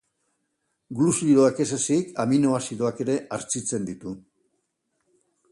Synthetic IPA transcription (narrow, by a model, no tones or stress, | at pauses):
ɡlusiɾoake̞sesikamino̞asiðo̞ake̞ɾe̞ʔaɾt͡sit͡se̞nd̪it̪u